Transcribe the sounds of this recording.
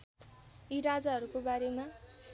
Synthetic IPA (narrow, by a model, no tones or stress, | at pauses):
iɾad͡zaɦʌɾukobaɾema